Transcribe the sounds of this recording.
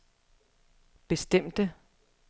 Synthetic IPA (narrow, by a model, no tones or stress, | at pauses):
b̥e̝sd̥em̰d̥ə